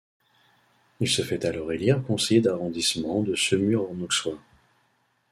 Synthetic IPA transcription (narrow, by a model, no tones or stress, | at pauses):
ilsəfɛt̪alɔʁeliʁkɔ̃sejed̪aʁɔ̃d̪ismɑ̃d̪əsəmyʁɔnɔkswã